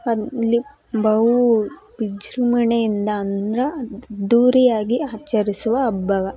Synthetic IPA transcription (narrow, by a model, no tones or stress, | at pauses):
ɐlːi | bɐwubid͡ʒɾumɐɳejind̪ɐːnd̪ɾɐd̪uːɾijaːɡiaːt͡ʃɐɾisuʋɐːbːɐɡɐ